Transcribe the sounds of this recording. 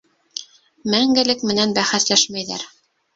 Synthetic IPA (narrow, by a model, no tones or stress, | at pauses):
mæŋɡɘ̆lɘkmɘ̆nænbæχæθlæʃmæjðæ̰ɾ